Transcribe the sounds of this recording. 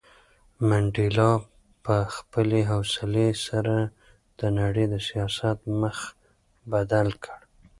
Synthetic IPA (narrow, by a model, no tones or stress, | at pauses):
maɳɖilɑ | pəxpəleɦawsɪlesaɾa | d̪̥ənaɽəjd̪əsijɑsat̪məx | bad̪alkʰəɽ